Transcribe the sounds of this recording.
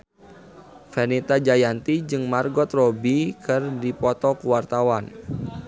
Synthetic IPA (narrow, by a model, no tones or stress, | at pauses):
fenit̪ad͡ʒajant̪id͡ʒɨŋmarɡɔt̪robikɨrdipɔt̪ɔkuwart̪awan